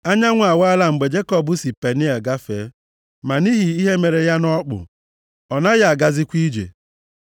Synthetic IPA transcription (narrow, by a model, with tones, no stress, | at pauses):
a˦ɲa˦ŋʷ˦˨a˨wa˦la˦m̩˨ɡ͡be˨d͡ʒe˦kɔ˦bʊ˦si˨pe˨ni˦a˨ɡa˦fe˨˦ | ma˨ni˦ɦi˨i˦ɦe˦me˨ɾe˨ja˦nɔ˦k͡pʊ̰˨ | ɔ˨na˦ja˨a˨ɡa˨zɪ˦kʷi˦d͡ʒḛ˨